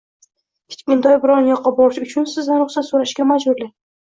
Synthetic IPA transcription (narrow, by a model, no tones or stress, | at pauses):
kʲʰɪ̥t͡ʃkʲʊnd̪ɒjbɪɾɒnjɒqːɑbɒɾɪʃʊt͡ʃʰʊnsɪznanɾʊχsat̪soɾaʃɡʲamad͡ʒbʊɾlɪ